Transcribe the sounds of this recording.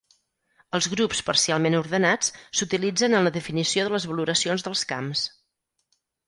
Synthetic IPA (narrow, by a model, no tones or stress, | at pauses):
əlˠzɣɾupspəɾsialˠmenuɾðənat͡ssut̪ilid͡zənənləðəfinisioðələzβəluɾəsionzðəlˠska̰ms